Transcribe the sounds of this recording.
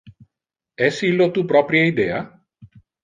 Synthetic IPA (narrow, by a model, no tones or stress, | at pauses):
ɛsilːot̪upɾɔpɾjaid̪ɛa